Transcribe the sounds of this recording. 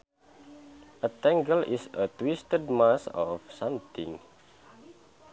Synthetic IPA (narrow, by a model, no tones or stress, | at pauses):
ʔət̪ɛ̃ŋɡəlisət̪wistəd̚masɔfsʌ̃mt̪ḭ̃ŋ